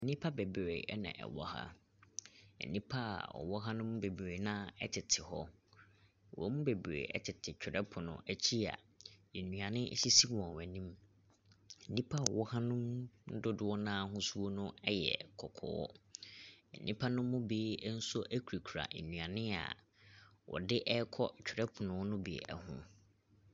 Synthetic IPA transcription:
nĩ˦pʰa˦be˨bɾḛ˨ɛ˦nã̰˨ʔɛ̰˨wɔ˨ha̰˦ | ɛ̰˨nĩ˦pʰa˦a̰˨ɔ̰˨wɔ˦ɦa˦nʊ̃˦m˦be˨bɾe˨nãː˦ɛ˦tʰɪ˨tʰɪ˨hɔ˦˨ | wʔɔ̰˦m̩̃˦be˨bɾḛ˨ʔɛ̰˦tʰɪ˨tʰɪ˨t͡ɕᶣɪ˨ɾʔɛ˦pʰʊ˨nʊ̰̃˨æ˨t͡ɕʰi˦a̰˨ | e˨nũ˨ã˨nɪ̃˦ʔɕi˦si˦wɔ̃˨wɛ̃˨nĩ˦m | n̩˨nĩ˦pʰa˦˨wɔ˦hã˦nʊ̃˦mn̩˦dʊ˦dʊ˨wɔ˦nãː˦˨ɦʊ̃˦su˦o˦nʊ̃˦ɛ˦jɛ̰˨kʰɔ˨kʰɔ̰ː˨wɔ̰˦ | n̩˨nʔĩ˦pʰa˦nʊ̃ː˦ʊ̃˦beː˨˦n̩˦sɔ˦ʔæ˦kʰu˨ɾi˨kʰu˨ɾa̰˨ʔḛ˨nũ˨ã˨nɪ̃˦a̰˨ | wʔɔ̰˨dɪ˦ʔɛ˦kʰɔ˦t͡ɕᶣʰɪ˨ɾɛ˦pʰʊ˨nʊ̃˨˦nʊ̃˦be˨ɛ̰˨hʊ̰̃˦

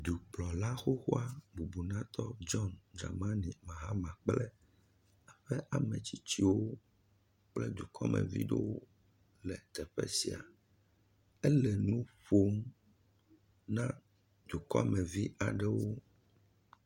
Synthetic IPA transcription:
d̪u˨k͡plɔ˨la˦xo˦xo˦a˦bu˨bu˨nã˦t̪ɔ˦d͡ʒɔ˦nd͡ʒa̰˨mã˦nĩ˨mã˨ɦa˦mã˨k͡plɛ˦ | a˨ɸɛ˦ʔa˨mɛ̃˨t͡ɕi˦t͡ɕi˦wo˦ | k͡plɛ˦d̪u˨kʰɔ˦mʔɛ̰̃˨vḭ˦ɖɛ˦wo˦ | lɛ˨t̪ɛ˨ɸɛ̰˦si˨a̰˨ | ɛ˦lɛ˨nũ˦ɸo˦m | nã˦ | d̪u˨kɔ̰˦mɛ̃˨vi˦ʔa˨ɖɛ˦wo˦

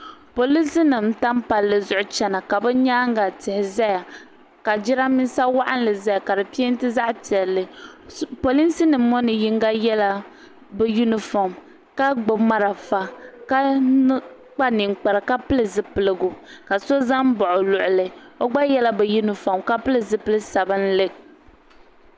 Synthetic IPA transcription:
po˨li˦si˦nɨ˨mta˦mpa˨lːɨ˨zʊ˦ʔʊ˦t͡ʃɛ˨na˨ka˨bɛ˦ɲaː˦ŋ˦ɡa˨tɪ˨hɪ˨za˦ja˨ | ka˨d͡ʒɪ˦ɾa˦mi˦n˦sa˦wa˦ʔa˦n˦lɨ˨za˦ja˨ka˨dɨ˨pi˦e˦n˦tɨ˦za˦ʔti˨ɛ˨lːɨ˨ | po˨li˦nsɨ˦nɨ˨mː˦ɔ˦nɨ˨ji˦ŋ˦ɡa˦jɛ˦la˦ | bɛ˦ju˦nɪ˨fɔ˨m | ka˦ɡ͡bʊ˨bma˦ɾa˨fa˦ka˦ | k͡pa˦nɪ˨ŋk͡pa˨ɾɨ˨ka˦pɨ˦lɨ˨zɨ˨pɨ˨lɨ˦ɡʊ˨ka˨so˦za˦m˦bɔ˨ʔʊ˨lʊ˨ʔʊ˨lɨ˨o˦ɡ͡ba˦jɛ˦la˦bɛ˨ju˦nɨ˨fɔ˨mka˦pɨ˦lɨ˨zɨ˨pɨ˦lɨ˦sa˨bɨ˦n˦lɨ˦k̚

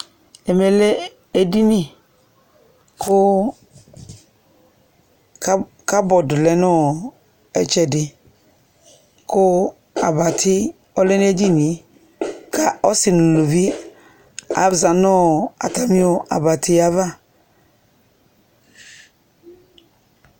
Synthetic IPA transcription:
ɛ˨mɛ˨lɛ˦ | e˨di˦nĩ˦ | kʰʊ˦ | ka˦bɔ˨dʊ˨lɛ˨nɔ˦˨ | ɛ̰˨t͡ʃɛ˨dɪ˨ | kʊ˦ | a˨ba˨tʰɪ˦ | ɔ˦lɛ˦n˦e˦d͡ʒi˦nĩ˨ | ka˦ɔ˦sɪ˨nʊ̃˨lu˨vi˦ | a̰˨za˨nɔ˦a̰˨ta˨mĩ˦o˦ʔa̰˨ba˨tʰɪ˦a˨va˦

